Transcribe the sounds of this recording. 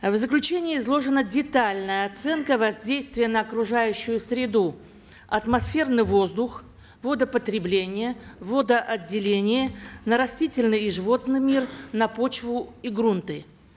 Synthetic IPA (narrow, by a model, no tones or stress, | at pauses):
vzəklʲʉt͡ɕenʲɪːzlˠo̞ʐɨnədʲɪt̪alʲnəjəɐt̪sɛnkəvɐzʲdʲejst̪vʲɪjənəɐkɾʊʐajʉɕːʊjʊsʲɾʲɪd̪u | ɐt̪mɐsfʲe̞rnɨjvo̞zd̪ʊx | vo̞d̪əpət̪ɾʲɪblʲenʲɪjəvo̞d̪əʔɐdʲːɪlʲenʲɪjənəɾɐsʲtʲitʲɪlʲnɨjɪʐɨvo̞t̪nɨjmʲirnɐpo̞t͡ɕvʊiɡɾunt̪ɨ